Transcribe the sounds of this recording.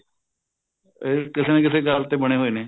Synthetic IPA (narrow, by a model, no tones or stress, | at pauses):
eːkɪseːnẽːkɪseːɡəlt̪eːbəɽ̃eːɦoːiːneː